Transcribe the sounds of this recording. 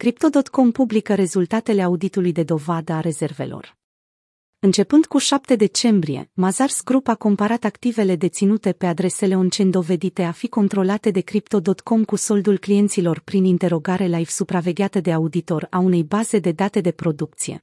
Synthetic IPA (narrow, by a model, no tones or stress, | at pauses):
kɾip̚t̪o̞d̪o̞t̪ko̞mpublikəɾe̞zult̪at̪e̞le̞aud̪it̪ulujd̪e̞d̪o̞vad̪əaɾe̞ze̞rve̞̰lo̞̰r | ɨnt͡ʃe̞pɨnd̪̥kuʃap̚t̪e̞d̪e̞t͡ʃe̞mbɾie̞̰mazarsɡɾupako̞mpaɾat̪akt̪ive̞le̞d̪e̞t̪sinut̪e̞pe̞ad̪ɾe̞se̞le̞ont͡ʃend̪o̞ve̞d̪it̪e̞afiko̞nt̪ɾo̞lat̪e̞d̪e̞kɾipt̪o̞d̪o̞t̪ko̞mkuso̞ld̪ulklije̞nt̪silo̞rpɾinint̪e̞ɾo̞ɡaɾe̞lajv̥supɾave̞ɡʲeat̪əd̪e̞aud̪it̪o̞ɾaune̞jbaze̞d̪e̞d̪at̪e̞d̪e̞pɾo̞d̪uk̚t̪sije̞̰